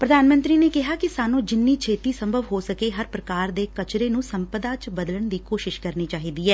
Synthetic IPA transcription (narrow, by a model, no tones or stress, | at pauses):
pɾəd̪aːnmə̃nt̪ɾiːneːkɪɦaːkɪsaːnũːd͡ʒɪnːiːt͡ʃʰeːt̪iːsəmbʱəʋɦoːsəkeːɦəɾpɾəkaːɾd̪eːkət͡ʃɾeːnũːsəmpəd̪aːt͡ʃbəd̪ləɳd̪iːkoːʃɪʃkəɾniːt͡ʃaːɦiːd̪iːɦɛː